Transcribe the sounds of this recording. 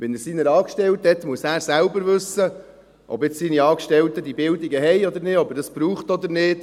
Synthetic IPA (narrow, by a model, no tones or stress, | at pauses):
ʋɛnəɾsinəɾɑːkʃtɛlt̪hɛt̪muəsæːɾsælbəɾvɵsə | ʔɔ̰bɪt͡ssiniɑːkʃtɛlt̪əd̥̪ibɪld̪iɡəɦɛjɔd̪əɾnɪɔbədɑsb̥ɾuːχt̪ɔd̪əɾnɪːt